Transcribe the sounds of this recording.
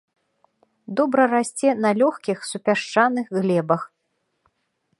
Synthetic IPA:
d̪ɔbɾɐrasʲt͡sʲɛnɐlʲɔxkʲixsupʲaʂt͡ʂanɨxɣlʲɛbɐx

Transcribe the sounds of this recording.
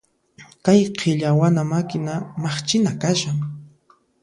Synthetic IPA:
kajqʰeʎawanamakɪnamaχt͡ʃɪnakaʃaŋ

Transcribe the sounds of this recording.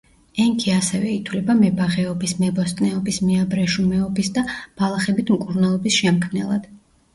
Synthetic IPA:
ɛŋkʰiasɛvɛit̪ʰwlɛbamɛbaʁɛɔbismɛbɔst̪ʼnɛɔbismɛabɾɛʃumɛɔbisd̪ab̥alˠaχɛbit̪ʰmkʼuɾnalˠɔbisʃɛmkʰmnɛlˠad̪̥

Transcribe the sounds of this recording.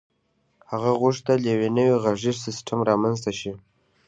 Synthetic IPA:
haɣaɣʊʂt̪aljawenəwiɣaʐiʐsɪsʈʰamɾɑmanzt̪aʃi

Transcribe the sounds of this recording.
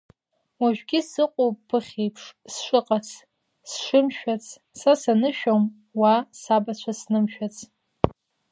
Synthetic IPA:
waʒᶣʷɡʲɪsɨqʷʼoːɨχʲejpʰʂsʂʼɨqʼat͡sʰ | sʂɨmʃᶣat͡sʰʼ | sasanɨʃᶣom | wasabat͡ɕʷʰasnɨmʃᶣat͡sʰʼ

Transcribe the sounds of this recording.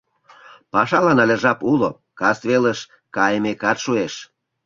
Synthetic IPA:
pɑʃɑlɑnɑlʲə̆ʒɑpulo | kɑst̪βeləʃ | kɑjmekɑt̪ʃueʃ

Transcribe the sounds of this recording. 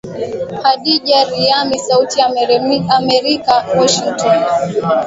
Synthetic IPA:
haɗiʄaɾiamisautiaamɛɾikawɔʃiŋtan

